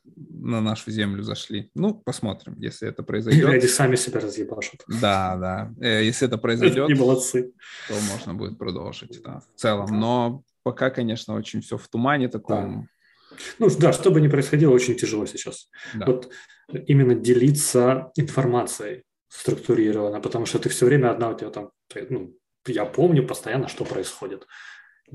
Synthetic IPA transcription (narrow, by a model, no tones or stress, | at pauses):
nɐnaʂʊzʲemlʲʊzɐ̰ʂlʲinupɐsmo̞t̪ɾʲɪ̰mjḛsʲlʲɪɛ̰t̪əpɾəɪzɐjdʲoɾʲadʲɪsamʲɪsʲɪbʲaɾəzjɪbaʐʊt̪d̪ad̪ajesʲlʲɪɛt̪əpɾəɪzɐjd̪ʲo̞tʲɪbəlˠɐt̪sɨt̪o̞mo̞ʐnəbṵdʲɪt̪̚pɾɐ̰d̪o̰lˠʐɨt̚ʲd̪a̰ft̪sɛlˠəmno̞ | pɐkakɐnʲe̞ʂnəo̞t͡ɕɪnʲfsʲoft̪ʊmanʲɪt̪ɐko̞̰m | nud̪aʂt̪o̞bɨnʲɪpɾəɪsxɐdʲilˠəot͡ɕɪnʲtʲɪʐɨlˠo̞sʲɪt͡ɕasd̪avo̞t̪ | imʲɪnːədʲɪlʲit̪səɪnfɐrmat̪sɨjəj | st̪ɾʊkt̪ʊɾʲiɾəvənːəpət̪ɐmuʂt̪ot̪ɨfsʲɵvɾʲemʲəɐd̪naʊtʲɪvʲat̪amt̪onu | japo̞mnʲʊpəst̪ɐjanːəʂt̪o̞pɾəɪsxo̞dʲɪt̪